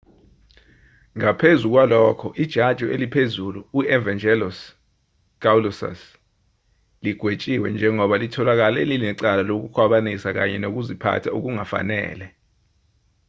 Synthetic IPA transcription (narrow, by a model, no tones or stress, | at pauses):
ŋapʰezuk̬walɔkʰɔʔid̥ʒ̥ʱad̥ʒ̥ʱɔelipʰezuluːɛvand͡ʒɛlɔs | ɡ̥awlɔsa̰s | liɡ̥ʱwet͡ʃʼiwɛ̰nd͡ʒʱɛŋɔɓalitʰɔlak̬alɛlinɛǀalalok̬ukʰwaɓanisak̬a̰ɲɛnok̬uzipʰa̰tʰauk̬uŋafa̰nɛ̰ːlɛ